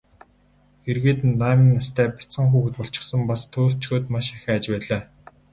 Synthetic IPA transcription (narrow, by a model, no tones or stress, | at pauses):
erɣeːt̪ɘnt̪aːmĭnːast̪ʰæːpḁt͡sɢə̆ŋxuːɣɘ̆t̪pɔɬt͡ɕɪ̥̆χsə̆mpast̪ʰoːr̥t͡ɕɡoːt̪maʃaxʲæːt͡ɕpæːɮaː